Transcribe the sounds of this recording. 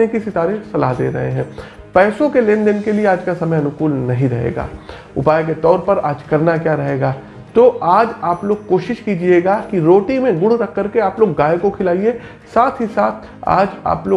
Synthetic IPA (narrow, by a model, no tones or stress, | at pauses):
ekisɪt̪aːɾẽsɐlaɦd̪ḛːɾɐ̰ɦḛɦɛ̃ː | pɛːsõkeleːnd̪ɪnkelieaːd͡ʒkasɐməjɐnʊkuːlnɐɦĩɾɐɦḛːɡa̰ː | ʊ̰paːjek̬et̪ɔːɾpɐɾa̰ːd͡ʒkɐɾnakjaːɾɐɦeːɡaː | t̪oaːd͡ʒaːploːɡ̚koːʃɪʃkiːd͡ʒieɡakiɾoːʈimẽɡʊɽt̪ɐkːɐɾkeaːploːɡːaːjkokʰɪlaːie | saːt̪ʰɦisaːt̪̚ʰ | a̰ːd͡ʒa̰ːploː